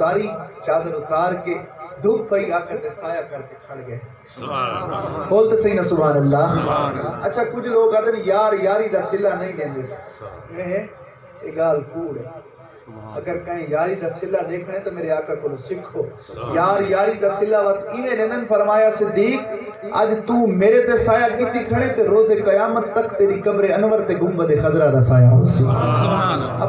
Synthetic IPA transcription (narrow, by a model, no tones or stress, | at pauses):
kaːɾiːt͡ʃaːd̪əɾʊt̪aːɾked̪ʱʊkbəiːaːkãt̪esaːjaːkɐɾkekʰɐɽɡəe | boːlt̪esəiːnaːsʊbʱaːnəlːaː | ɐtːt͡ʃʰaːkʊd͡ʒʱloːkad̪əmijaːɾjaːɾiːd̪aːsɪlːaːnəĩːlẽːnd̪eːmẽːɦẽ | eːɡaːlkuːɽɛ | ɐɡəɾkɐ̃ɦẽjaːɾid̪aːsɪlːad̪eːkʰɽ̃et̪ɐmeːɾeaːkakolosɪkʰoːjaːɾjaːɾid̪aːsɪlːaʋɐtt̪ɪnẽɗẽːnd̪ənɪ̆fɐɾmaːjasɪd̪ːiːk̚ɐ̰d͡ʒt̪ũːmeːɾet̪esaːjakɪt̪ikʰəɽ̃ẽt̪eɾoːzekɐjaːmət̪ːɐkt̪eːɾikɐbɾeɐnʋəɾt̪eɡʊmbət̪exɐzɾad̪asaːjaːɦos